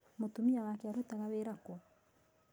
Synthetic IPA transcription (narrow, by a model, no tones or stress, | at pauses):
motumiawakɛaɾutaɣaweɾakwɔ